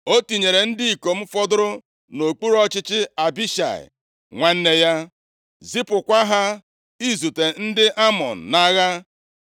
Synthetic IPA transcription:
o˦ti˨ɲe˨ɾe˨n̩˦di˦i˨ko˨m̩˦fɔ˦dʊ˦ɾʊ˦ | no˨k͡pu˦ɾɔ˦t͡ʃɪ˦t͡ʃɪ˦a˨bi˦ʃa̰˨ɪ̰˨ | ŋʷa˦n̩˦ne˦ja˦ | zi˦pʊ˨kʷa˦ɦa˦ | i˦zu˨te˨n̩˦dɪ˦ʔa˦mɔ̰˨n̩˨na˦ɣa˦

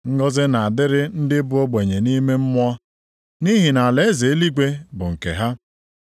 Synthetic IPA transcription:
ŋ̩˦ɡɔ˦zɪ˦na˨a˨dɪ˦ɾɪ˦n̩˦dɪ˦bʊ˦o˦ɡ͡be˨ɲe˨ni˦me˦m̩˦mʷ˦ɔ˦ | ni˦ɦi˨na˨le˦ze˨˦li˦ɡʷe˦bʊ̰˨ŋ̩˨kḛ˨ɦa˦

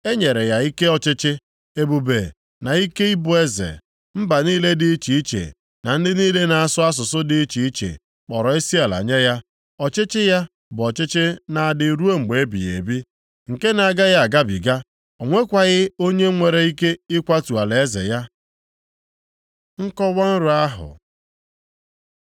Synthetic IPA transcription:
e˦ɲe˨ɾe˨ja˨i˦ke˦ɔ˦t͡ʃɪ˦t͡ʃɪ˦ | e˦bu˨be˨ | na˨i˦ke˦i˦bʊ˨e˦zḛ˨ | m̩˦ba˨niː˦le˦dɪ˦t͡ʃi˨i˦t͡ʃḛ˨ | na˨n̩˦dɪ˦niː˦le˦na˨a˨sʊ˦a˦s̬ʊ˨sʊ˦dɪ˦t͡ʃi˨i˦t͡ʃḛ˨ | k͡pɔ˨ɾɔ˨˦e˦si˦a˨la̰˨ɲe˦ja˦ | ɔ˨t͡ʃɪ˦t͡ʃɪ˦ja˦ | bʊ˨ɔ˨t͡ʃɪ˦t͡ʃɪ˦na˨a˨dɪ˨ɾu˦o˦ŋ͡m̩˨ɡ͡be˨˦bḭ˨jḛ˨bi˦ | ŋ̩˨ke˦na˨a˨ɡa˦ɣa˦a˨ɡa˦bḭ˨ɡa˦ | o˨ŋʷe˦kʷa˨ɣɪ˦o˦ɲe˦ŋʷe˨ɾe˨i˦ke˦ɪ˦kʷa˦tu˨a˨le˨e˦zḛ˨ja˦ | ŋ̩˦kɔ˦wa˦n̩˦ɾʊ˨a˦ɦʊ̰˨

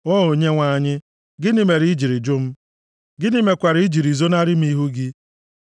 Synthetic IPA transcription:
ɔ˦o˨ɲe˦ŋʷa˨ɲɪ˦ | ɡɪ˦nɪ˦˨me˨ɾi˨i˦d͡ʒi˨ɾi˨d͡ʒʊ˦m̩˦ | ɡɪ˦nɪ˦me˨kʷa˨ɾi˦i˦d͡ʒi˨ɾi˨zo˦na˦ɾɪ˦m̩˦i˦ɦu˦ɡɪ˦

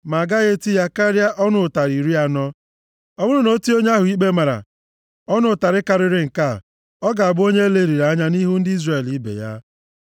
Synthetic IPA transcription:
ma˨ɡa˦ɣe˦ti˦ja˦ka˦ɾja˦ʔɔ˦nʊ˦˨ta˨ɾi˨ɾi˦a˦nɔ˦ | ɔ˦bʊ˦ɾʊ˦no˨˦ti˦o˦ɲe˦a˦ɦʊ˨i˦ɡ͡be˦ma˨ɾa̰˨ | ɔ˦nʊ˦˨ta˨ɾɪ˦ka˨ɾɪ˦ɾɪ˦ŋ̩˨ka˦˨ | ɔ˦ɡa˨a˨bʊ˦o˦ɲe˦le˦˨ɾi˨ɾa˨˦ɲa˦ni˦ɦu˦n̩˦dɪ˦i˦zre˨li˦bḛ˨ja̰˦

